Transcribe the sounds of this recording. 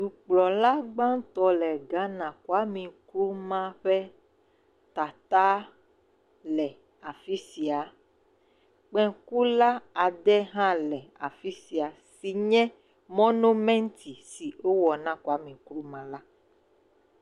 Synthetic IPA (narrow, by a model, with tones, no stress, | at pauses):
du˨k͡plɔ˨la˦ɡ͡bã˦ŋ˦t̪ɔ˦lɛ˨ɡa˦nã˨ku˦a˦mĩ˨kɾu˦mã˦ɸɛ˦ | t̪a˨t̪a˦ | lɛ˨ | a˨fi˦si˨a˨ | k͡pɛ̃˦ku˦la˦a˨ɖɛ˦ɦã˦lɛ˨a˨fi˦si˨a˨si˨ɲɛ̃˦ | mɔ̃˦nõ˦mɛ̃˦ŋ˦t̪i˨si˨wo˦wɔ˨nã˦ku˦a˦mĩ˨kɾu˦mã˦la˦